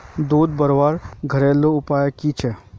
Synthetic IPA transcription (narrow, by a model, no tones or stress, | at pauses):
d̪oːd̪̚bəɾʋaːɾɡʱəɾeːlːoʊpaːjakit͡ʃʰɛ